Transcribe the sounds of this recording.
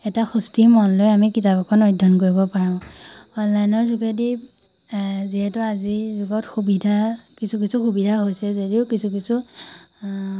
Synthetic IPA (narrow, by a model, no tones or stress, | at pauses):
ɛtaxustimɔnlojamikitabɔkʰɔnɔjdʱːɔnkoɹibɔpaɹãʊ̃ɔnlajnɔɹzuɡedi | ziɦɛtʊazizuɡɔtxubidʱakisʰukisʰuxubidʱaɦojsɛzodiʊkisʰukisʰu